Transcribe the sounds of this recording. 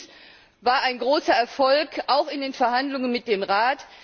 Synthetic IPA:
vaːɐaɪnɡʁoːsɐɛɐfɔlkʔaʊxɪndeːnfɛɐɦandlʊŋənmɪt̚d̥eːmʁaːt

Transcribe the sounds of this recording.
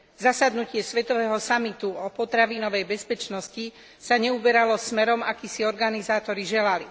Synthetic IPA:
zasad̪nucɪɛsʋɛt̪ɔʋɛːɦɔsamit̪uɔpɔt̪ɾaʋiːnɔʋɛjbɛspɛt͡ʃnɔsci | saɲɛubɛɾalɔsmɛɾɔmakisiɔɾɡanizaːt̪ɔɾiʒɛlali

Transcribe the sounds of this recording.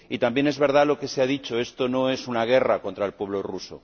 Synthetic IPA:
it̪ambje̞ne̞zβe̞ɾð̞alo̞ke̞seaðit͡ʃoe̞st̪ono̞e̞sunaɣ̞e̞rako̞nt̪ɾaelpwe̞β̞loruso̰

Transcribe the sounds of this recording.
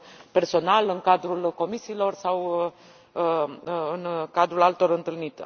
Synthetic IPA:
pe̞rso̞nalɨŋkad̪ɾulko̞misiːlo̞rsaw | ɨnkad̪ɾulalt̪o̞rɨnt̪ɨlnit̪

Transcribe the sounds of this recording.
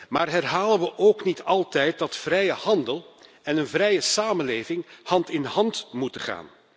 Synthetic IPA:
maːrɦɛrɦaːlənʋəʔowknitɑlˠtɛjt̚dɑtfrɛjəhɑndəlˠ | ɛnənvrɛjəsaːmənleːvɪŋhɑntɪnhɑntmutəχa̰ːn

